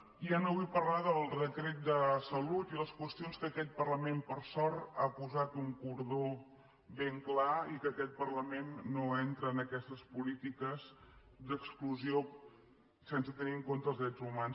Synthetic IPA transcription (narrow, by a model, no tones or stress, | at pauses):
ianoβujpərlaðəlˠrək̪ɾet̪̚d̪əsəlut̪iləskwəst̪ionskəkɛt̪̚pərləmempəɾsɔɾt̪apuzat̪uŋkuɾðo | βeŋklaikəːkɛt̪̚pərləmenːoɛnt̪ɾəːnəkɛst̪əspulit̪ikəz | d̪əkskluzio | sensət̪əniəŋkont̪əlˠzðɾɛd͡zumans